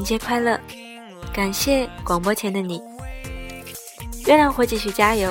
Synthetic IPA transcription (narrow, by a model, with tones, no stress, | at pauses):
t͡ɕjɛ˥kʰwa˥ɪlɤ˥˩ | ka˨˩nɕjɛ˥˩kwɑ˨˩ŋpwɔ˥t͡ɕʰjɛ˧˥nd̪ə˧ni˨˩˦ | ɥɛ˥na˧˥nxwɔ˧˥t͡ɕi˧˩ɕy˨˩t͡ɕja˥jo˧˥